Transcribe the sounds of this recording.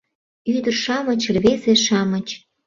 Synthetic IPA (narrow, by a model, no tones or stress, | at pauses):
yd̪ərʃɑmət͡ɕəlβezeʃɑmə̆t͡ɕ